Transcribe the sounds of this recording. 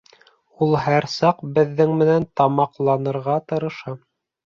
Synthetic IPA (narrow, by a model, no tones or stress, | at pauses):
ulˠɦæɾsɑqbɘ̆ðːɘŋmɘ̆nænt̪ɑmɑqlˠɑnɤ̆ɾʁɑt̪ɤ̆ɾɤ̆ʃɑ